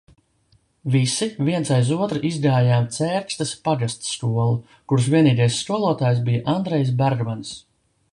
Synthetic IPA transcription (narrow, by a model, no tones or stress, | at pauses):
visiviɛnsajzuɔt̪ɾaʔizɡaːjaːmt̪sɛːɾkst̪ɐspaɡast̪sːkuɔlˠu | kuɾs̬vʲiɛniːɡajsːkuɔlˠuɔt̪aːjs̬bijaʔand̪ɾɛjs̬baɾɡmans